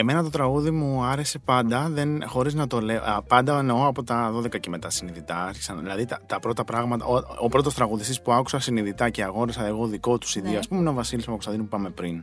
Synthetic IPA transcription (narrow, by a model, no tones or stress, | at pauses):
e̞me̞nɐt̪o̞t̪ɾɐɣuðimuɐɾese̞pɐnd̪ɐðe̞nxo̞ɾiznɐt̪o̞le̞pɐnd̪ɐneoɐpo̞t̪ɐðo̞ðe̞kɐceme̞t̪ɐsiniðit̪ɐɐɾçi̥sɐnðilɐðit̪ɐt̪ɐpɾo̞t̪ɐpɾɐɣmɐt̪ɐ̰oopɾo̞t̪o̞st̪ɾɐɣuðist̪ispuɐku̥sɐsiniðit̪ɐce̞ɐɣo̞ɾisɐeɣo̞ðiko̞t̪u̥siðioɐspumeno̞vɐsilismɐpɐkot̪ɐðinopupɐme̞pɾin